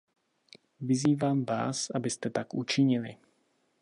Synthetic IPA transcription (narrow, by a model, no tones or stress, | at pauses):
viziːvaːmva̰ːsabɪst̪ɛt̪akut͡ʃɪɲɪli